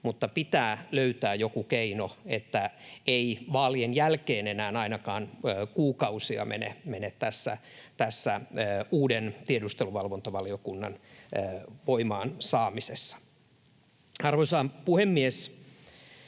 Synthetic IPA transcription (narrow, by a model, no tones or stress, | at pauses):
mut̪ːɑpit̪æːløyt̪æːjokukeinoet̪ːæeiʋɑːlienjælkeːnenæːnɑinɑkɑːnːkuːkɑusiɑ̰mḛnḛmenet̪t̪æsːæ̰t̪æsːæːuːdent̪iedust̪eluʋɑlʋont̪ɑʋɑliokunːɑ̰nː | ʋoimɑːnsɑːmisesːɑ̥ | ɑrʋoisɑːmpuhemːies